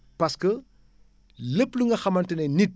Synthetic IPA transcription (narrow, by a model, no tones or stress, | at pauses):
pɐskə | ləpluŋɡɐxɐmɐntɐnɛnit̚